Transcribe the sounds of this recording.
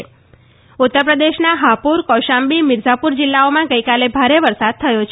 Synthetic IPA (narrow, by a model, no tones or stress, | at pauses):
ut̪ːəɾpɾəd̪eʃnaɦapuɾkɔʃambimɪɾd͡ʒapuɾd͡ʒɪlːaomãɡəjkalebʱaɾeʋəɾsad̪̚t̪ʰəjot͡ʃʰ